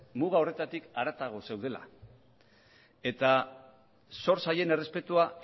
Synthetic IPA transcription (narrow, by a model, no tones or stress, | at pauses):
muɣ̞ao̞re̞t̪at̪ikaɾat̪aɣ̞o̞se̞wð̞e̞la̰ | e̞t̪a | so̞ɾsaje̞ne̞re̞spe̞t̪ua